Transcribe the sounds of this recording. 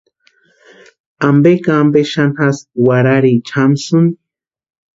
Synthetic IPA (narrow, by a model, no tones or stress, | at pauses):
ambekaːmbeʃanxaswaɾaɾit͡ʃʰamsun